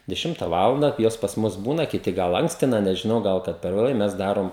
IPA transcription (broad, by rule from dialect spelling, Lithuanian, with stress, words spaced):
dʲɛˈʃʲɪmtɐ ˈʋɑːlˠɐndɐ ˈjoːs pɐs ˈmʊs ˈbuːnɐ kʲɪˈtʲɪ ˈɡɐlˠ ˈɐŋksʲtʲɪnɐ nʲɛʒʲɪˈnɐʊ ˈɡɐlˠ kɐt pʲɛr ʋʲeːˈlˠɐɪ ˈmʲɛs ˈdɑːroːm